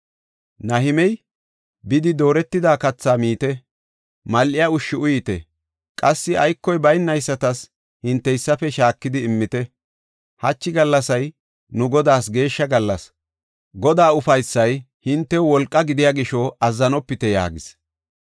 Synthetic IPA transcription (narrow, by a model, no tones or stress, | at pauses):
nɐɦɪmɛj | bɪd̪ɪd̪o̞ːɾɛt̪ːɪd̪aːkɐt͡sːaːmiːt̪ɛ | mɐlʔɪjɐʊʃːɪʊjɪt̪ɛ̰ | kʼɐsːɪɐjkːɔjbɐjnːɐjsːɐt̪ɐs | hɪnt̪ːɛjsːɐfɛʃaːkːɪd̪ɪːmːɪt̪ɛ | hɐt͡ʃːɪɡɐlːɐsɐj | nʊɡɔd̪aːsɡe̞ːʃːɐɡɐlːɐs | ɡɔd̪aːʊfɐjsːɐj | hɪnt̪ːɛwɔlkʼːɐɡɪd̪ɪjaːɡɪʃɔɐzːɐnɔpːɪt̪ɛja̰ːɡɪs